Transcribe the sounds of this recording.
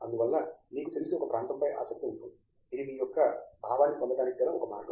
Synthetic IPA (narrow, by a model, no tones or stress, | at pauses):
ɐnd̪uʋɛlːɐniːkusilisiɔkːɐpɾaːnt̪ɐmpɐjʔa̰ːsɐk̚t̪iuɳʈːu | iliiːjɔkːɐbʱaːʋaːnikond̪ɐd̪aːnikːɛlɐɔ̰kːɐma̰ːɾɡɐ